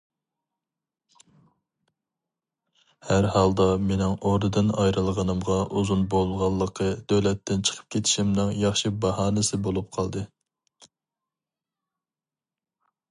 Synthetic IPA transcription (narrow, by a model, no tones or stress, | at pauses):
hæɾhɑlˠd̪ɑmenɪŋoɾd̪ɨd̪ɨnɑjɾɨlˠʁɑnɨmʁɑʔuzunbolˠʁɑlˠːəqʰəd̪̥ølɛt̪ːɪnt͡ʃʰə̥qʰə̥p̚kʲʰet̪ʰɪ̥ʃimnɨŋjɑχʃibɑhɑːnɨsɪbolˠup̚qʰɑlˠd̪ɨ